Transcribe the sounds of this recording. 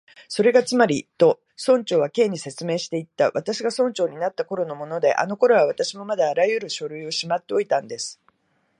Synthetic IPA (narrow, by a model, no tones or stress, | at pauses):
so̞ɾe̞ɡat͡sɨmaɾʲit̪o̞ | sõ̞ɲ̟t͡ɕo̞ːβake̞ːɲ̟ise̞t͡sɨme̞ːɕi̥t̪e̞it̪ːaβat̪aɕiɡasõ̞ɲt͡ɕo̞ːɲ̟inat̪ːako̞ɾo̞no̞mo̞no̞d̪e̞̰ʔa̰no̞ko̞ɾoβaβ̞at̪aɕimo̞mad̪aːɾajɯ̟ɾɯ̟ɕo̞ɾɯ̟io̞ɕimat̪ːe̞o̞it̪ãnd̪e̞sɨ̥